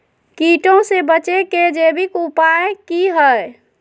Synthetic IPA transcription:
kiʈõsebət͡ʃeked͡ʒebikupaekiɦəj

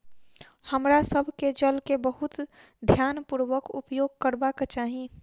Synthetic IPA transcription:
həmɾasəbʱked͡ʒəlkebəɦʊt̪ | d̪ʱjaːnpuɾʋəkʊ̰pjoːɡ̚kəɾbakt͡ʃaːɦĩ

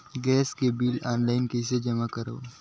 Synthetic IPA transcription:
ɡɛːskebiːlaːnlaːɪnkes̬ed͡ʒɐmakɐɾo̰ː

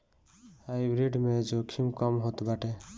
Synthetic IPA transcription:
hajbɾiɖmed͡ʒokʰimkɔmɦot̪baʈe

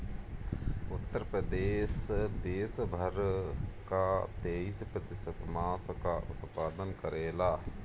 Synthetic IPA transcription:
ʊt̪ːəɾpɾəd̪eːsd̪eːsbʱəɾkat̪eːispɾət̪ɪsət̪mãːskaʔʊ̰t̪paːd̪ənkəɾeːlaː

